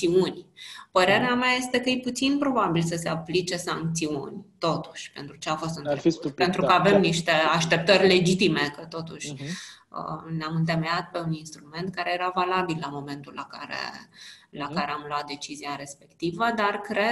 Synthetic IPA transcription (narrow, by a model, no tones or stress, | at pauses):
iunʲpəɾe̞ɾeamʲaje̞st̪e̞kəjijput̪sinpɾo̞babilsəse̞aplit͡ʃe̞saŋk̚t̪siṵnʲt̪o̞t̪u̥ʃʲpe̞̰nt̪ɾut͡ʃe̞afo̞st̪ɨnpent̪ɾukəave̞mniʃt̪e̞aʃt̪e̞p̚t̪ərʲle̞d͡ʒit̪ime̞kət̪o̞t̪uʃʲ | ə̰neamɨnt̪e̞me̞at̪̚pe̞uninst̪ɾume̞nt̪kaɾe̞jeɾavalabilːamo̞me̞nt̪ulːakaɾḛlakaɾe̞amloat̪̚d̪e̞t͡ʃiziaɾe̞spe̞kt̪ivəd̪arkɾe̞